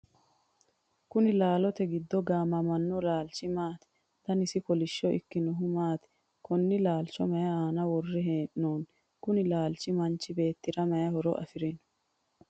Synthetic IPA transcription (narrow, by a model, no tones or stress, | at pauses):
kʊnɪlaːlɔt̪ɛɡɪd̪ːɔɡaːmɐmɐnːɔlaːlt͡ʃːɪmaːt̪ɛ̥ | t̪ɐnɪsɪkɔlɪʃːɔʔɪ̰kːɪnɔɦʊmaːt̪ | kɔnːɪlaːlt͡ʃːɔmɐjɐaːnɐwɔrːɛɦeːʔːoːn | kʊnɪlaːlt͡ʃːɪmɐnt͡ʃːɪbe̞ːt̪ːɪɾɐmɐjɐhɔɾɔ̰ʔɐ̰fɪɾɪn